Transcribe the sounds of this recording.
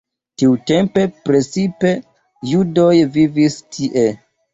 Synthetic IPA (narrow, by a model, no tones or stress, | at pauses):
tiute̞mpe̞pɾe̞t͡sipe̞ | judo̞jvivistʰiʔe̞